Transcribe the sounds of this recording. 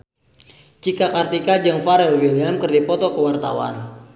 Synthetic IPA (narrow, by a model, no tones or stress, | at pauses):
t͡ʃikakart̪ikad͡ʒəŋfaɾɛlwiliamkərdipɔt̪ɔkəwart̪a̰wa̰n